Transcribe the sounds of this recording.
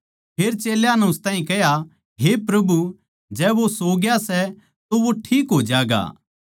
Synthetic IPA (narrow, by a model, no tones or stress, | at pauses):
pʰeːɾt͡ʃeːljanɛʊst̪ãːɦĩkɛɦja | ɦepɾɐbu | d͡ʒɛːʋosoːɡjasɛ | t̪oʋoʈʰiːkɦoːd͡ʒaːɡa̰ː